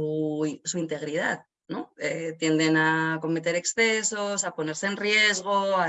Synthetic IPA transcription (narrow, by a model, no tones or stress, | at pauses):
usuint̪e̞ɣɾið̞a̰ð | no̞et̪je̞nd̪e̞nako̞me̞t̪e̞ɾe̞ksθe̞so̞sapo̞ne̞ɾseːnrje̞zɣ̞o̞a